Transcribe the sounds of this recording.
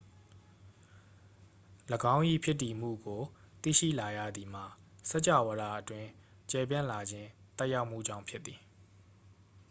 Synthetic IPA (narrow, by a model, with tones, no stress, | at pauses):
ləɡã˦ʊ̃ʔḭ˦˨pʰjɪ˦tːi˨m̥ṵ˦˨ɡo˨ | t̪ḭ˦˨ʃḭ˦˨la˨ja̰˦˨d̪ði˨m̥a˨sɛ˦ʔt͡ɕa̰˦˨wə˨ɾa˦˨ʔətwɪ̃˦ | t͡ɕɛ˨p̬jã˦˨la˨d͡ʑɪ̃˦ | t̪ɛ˦ʔja˦ʊʔm̥ṵ˦˨d͡ʑã˦˨ʊ̃mpʰjɪ˦t̪ːi˨